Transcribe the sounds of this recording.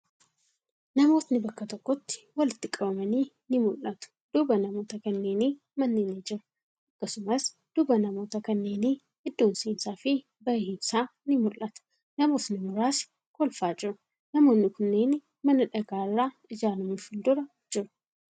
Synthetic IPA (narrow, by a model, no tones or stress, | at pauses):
nɐmo̞ːt̪nɪbɐkːɐt̪ɔkːɔt̪ːɪ̥wɐlɪt̪ːɪkʼɐbɐmɐniː | nɪmʊlːɐt̪ʊ̥d̪̥ʊbɐnɐmo̞ːt̪ɐkɐnːe̞ːniː | mɐnːeːneːd͡ʒɪɾʊ | ʔɐkːɐsʊmɐs | d̪̥ʊbɐnɐmo̞ːt̪ɐkɐnːe̞ːniː | hɪd̪ːoːnseːnsaːfɪ | bɐjhɪmsaːnɪmʊlʔɐt̪ɐ̥ | nɐmo̞ːt̪nɪmʊɾaːs | kɔlfaːd͡ʒɪɾʊ | nɐmo̞ːnːɪkʊnːe̞ːn | mɐnɐᶑɐɡaːrːaː | ɪd͡ʒaːnʊmʊfɪnd̪ʊɾɐ | d͡ʒɪɾʊ